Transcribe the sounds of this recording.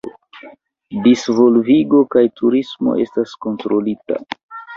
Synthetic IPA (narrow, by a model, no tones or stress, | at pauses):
disvo̞lviɡo̞kajtʰuɾismo̞̰ʔe̞̰stasko̞ntɾo̞lita̰